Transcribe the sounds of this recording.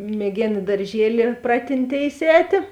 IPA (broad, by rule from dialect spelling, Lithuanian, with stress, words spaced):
mʲiɛˈɡʲeːn ɪ dɐrʲˈʒʲiɛlʲɪ ˈprɑːtʲɪnʲˌtʲeːɪs ˈɛːtʲeː